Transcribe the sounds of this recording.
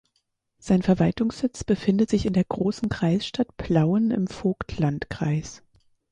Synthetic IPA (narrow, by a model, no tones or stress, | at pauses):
z̥aɪnfɛɐvaltʊŋsz̥ɪt͡sb̥əfɪndətz̥ɪçɪndeːɐɡʁoːsn̩kʁ̥aɪsʃtatpʰl̥aʊənɪ̰mfoːktʰlantkʁ̥aɪs